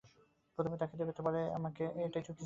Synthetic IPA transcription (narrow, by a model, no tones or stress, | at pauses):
pɾot̪ʰomed̪akʰed̪ebet̪epaɾea̰makeʔejʈaijt͡ɕʰuʈːi